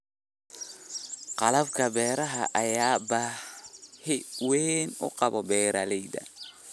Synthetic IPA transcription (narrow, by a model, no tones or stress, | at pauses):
qɑlɐbkʰɐbɛːɾɐɦɐʔɐjaːbɐ | hɪwɛnʊ̰qɑβɔbɛːɾʔɐlɛjdɐ̰